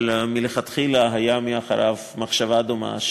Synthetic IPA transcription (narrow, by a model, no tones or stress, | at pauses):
lmileχat̪χilaɦajamiaχa̰ɾa̰v | maχʃavad̪oma̰ʃ